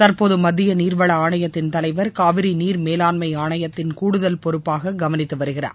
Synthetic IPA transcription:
t̪ɐɾpoːðɯmɐðɪjɐniːrʋɐɭɐaːɳɐjɐt̪ːɪnt̪ɐlɐɪʋɐɾkaːʋɪɾiniːɾmeːlaːnmɐɪaːɳɐjɐt̪ːɪnkuːɽɯðɐlpɔɾɯpːaːɣɐɡɐʋɐnɪt̪ːɯʋɐɾɯɣɪra̰ːɾ

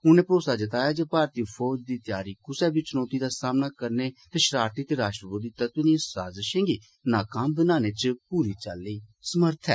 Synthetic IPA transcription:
ʊnẽːpɾoːsaːd͡ʒət̪aːjaːd͡ʒeːpaːɾt̪iːpʰɔːd͡ʒd̪iːt̪jaːɾiːkʊsɛːbiːt͡ʃʊnoːt̪iːd̪aːsaːmnaːkəɾneːt̪eːʃɾaːɾt̪iːt̪eːɾaːʃʈɾəbud̪iːt̪at̪ʊnĩːsaːzɪʃẽːŋɡiː | naːkəmbənaːneːt͡ʃpuːɾiːt͡ʃalːiːsəməɾt̪ʰɛ̰ː

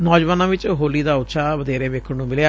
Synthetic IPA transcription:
nɔːd͡ʒʋaːnãbɪt͡ʃɦoːlid̪aʊt̪ːʃʰabəd̪eːɾeʋeːkʰənũmɪlja

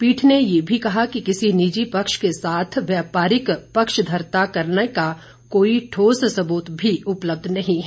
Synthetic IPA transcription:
piːʈʰnejeːbʱikɐɦakikɪsinid͡ʒipɐkʃkesaːt̪ʰʋjaːpaːɾɪkpɐkʃd̪ʱɐɾt̪akɐɾneka | koːiʈʰoːssɐbuːt̪bʱiʊpləb̚d̪ʱnɐɦĩɦɛː

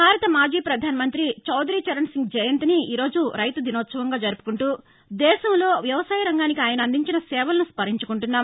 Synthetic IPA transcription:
bʱaːɾɐt̪ɐmaːd͡ʒiːpɾɐd̪ʱaːnɐmɐnt̪ɾit͡ʃɐwd̪ɾiːt͡ʃɐɾɐɳsiŋɡd͡ʒɐjɐnt̪iniiːɾo̞ːd͡ʒuɾɐjt̪ud̪inoːt̪sɐʋɐŋɡaːd͡ʒɐɾupu̥kuɳʈuː | d̪ɛːʃɐmlo̞ːʋjɐʋɐsaːjɐɾɐŋɡaːnikiaːjɐnɐnd̪iɲt͡ʃinɐsɛːʋɐlɐnuspɐɾiɲt͡ʃukuɳʈunːaː

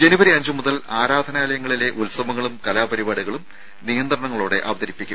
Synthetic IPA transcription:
d͡ʑenubɐɾiɐɲd͡ʑɨmuðɐlaːɾaːd̪ʱɐnaːlɐjɐŋːɐɭile̞ʔulsɐbɐŋːɐɭumkɐlaːbɐɾibaːɽuɣɐɭum | nijɐnd̪rɐɳɐŋːɐɭoːɽe̞̰ʔɐʋɐd̪ɐɾipːikʲːum

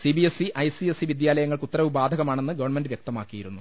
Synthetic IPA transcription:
sibiesiʔɐjsiesiʋid̪jaːlɐjɐŋːɐɭkut̪ːɐɾɐʋibaːd̪ʱɐɣɐmaːɳe̞nːɨɡɐʋɐrɳme̞ndɖɨʋjek̚t̪ɐma̰ːkːijiɾṵnːu

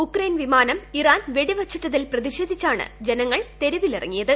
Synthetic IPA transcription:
ukrejnʋimaːnɐmiraːnʋeɽiʋɐt͡ɕːuʈːɐðilprɐðiɕeːd̪ʱit͡ɕːaːɳɨ̰d͡ʑenɐŋːɐɭt̪e̞ɾuʋilirɐ̰ŋːijɐðɨ

